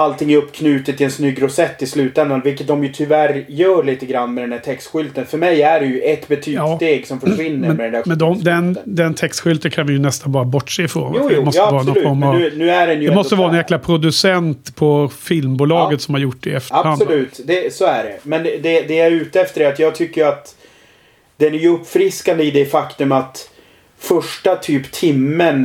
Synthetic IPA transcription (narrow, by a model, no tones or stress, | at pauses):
alt̪ʰɪŋːɵpːkʰnʉ̟ːt̪ət̪ʰːɪɛnsnʏɡːɾʊsɛt̪ːɪslʉ̟ːt̪ɛnd̪anvɪlkːət̪̚d̪ɔmjɵt̪ʰʏvæɾjœːɾɭiːt̪əɡɾanːmɛd̪ɛnd̪æːʈʰɛkst̪ɧʏlt̪ənfœɾmɛjæɖɛjɵʔɛt̪bɛt̪ʰyːɑːt̪eːɡsɔmfœvɪnːəɾɛnmɛd̪ɛnd̪æmɛnd̪ɔmd̪ɛnd̪ɛnt̪ʰɛkst̪ɧʏlt̪əkʰanvɪjɵnɛst̪anbɑːɾabɔʈːʂeːɪfɾo̰ːnːmɔsːəɑːɾanɔfɔɾmanʉ̟ːæɾɛnjdɛmɔst̪əvɑɾəɛnjæːklapʰɾʊd̪ɵsɛnt̪pʰɔfɪlmbuːlɑːɡət̪sɔmhaɾjʊʈːɖɛɛft̪əaɾhand̪lʉːt̪d̪ɛsoːæɖɛmɛnd̪ɛd̪ɛæɾʉ̟ːt̪əɛft̪əɖɛat̪jɑːɡt̪ʰʏkːəjat̪ | d̪̥ɛnæɾjʉɵpːfɾɪskand̪əɪd̪ɛfakt̪ɵmat̪ | fœʂʈat̪ʰyːpt̪ʰɪmːən